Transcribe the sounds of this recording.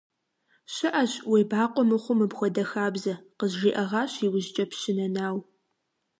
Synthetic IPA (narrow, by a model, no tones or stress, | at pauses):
ɕɪʔɐɕweːbaːqʷʼɔmɨχʷʊmɨbxʷɔdɐxaːbzɐqəʑʒiːʔɐʁɑːɕiːwʊʑt͡ʃʼɐpɕɪnɐnaːw